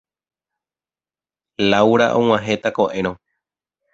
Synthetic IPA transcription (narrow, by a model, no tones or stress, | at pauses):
lawɾaʔõw̃ãɦet̪ako̞ʔẽ̞ɾ̃õ